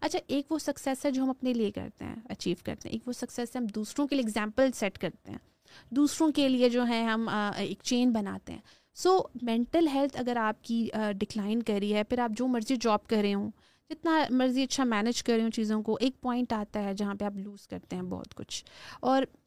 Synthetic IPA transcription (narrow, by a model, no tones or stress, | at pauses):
ɐtːt͡ʃʰaʔeːkʋosɐksɛsɦɛd͡ʒoːɦɐ̃mɐpneliekɐ̰ɾt̪ḛɦɛ̰̃ɐt͡ʃiːʋkɐ̰ɾt̪ḛ̃ɦɛ̃ːkʋosɐksɛsɦɛɦɐmd̪uːsɾõkelieːɡzɛ̃ːmpəlsɛʈkɐɾt̪ḛɦɛ̰̃ː | d̪uːsɾõkelied͡ʒoːɦɛ̃ɦɐmːeːkt͡ʃeːnbɐna̰ːt̪ḛɦɛ̰̃ː | soːmɛ̃ɳʈəlɦɛlt̪ʰɐɡəɾaːp̚kiɖɪklaːɪnkɐɾiɦɛpʰɪɾaːp̚d͡ʒoːmɐɾzid͡ʒɔːb̚kɐɾɾeɦõː | d͡ʒɪt̪namɐɾziɐtːʃʰamɛːnɪd͡ʒkɐɾeɦũt͡ʃiːzõkoʔeːk̚pɔːɪ̃ɳʈaːt̪aɦɛd͡ʒɐɦãpeaːpluːz̥kɐɾt̪eɦɛ̃bɔ̰ːt̪kʊ̰t͡ʃʰɔːɾ